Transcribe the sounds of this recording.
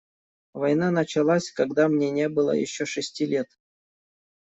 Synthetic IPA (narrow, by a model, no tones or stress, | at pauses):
vɐjnanət͡ɕɪlˠasʲkaɡd̪amnʲenʲebɨlˠə̰jɪ̰ɕːoʂɨsʲtʲilʲet̪